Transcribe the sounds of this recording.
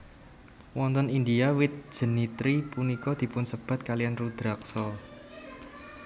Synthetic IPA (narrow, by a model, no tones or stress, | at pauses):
wɔnt̪ɔnind̪iawɪt̪̚d̥ʒ̥ə̤nit̪ɾipunikɔd̪̥i̤pʊnsəb̥a̤t̪̚kalijanrud̪̥ɾak̚sɔ